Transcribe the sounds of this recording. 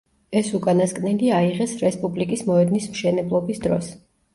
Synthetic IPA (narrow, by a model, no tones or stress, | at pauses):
ɛsukʼanaskʼnɛliaiʁɛsɾɛspʼublikʼismɔɛd̪nismʃɛnɛblˠɔbisd̪ɾɔ̰s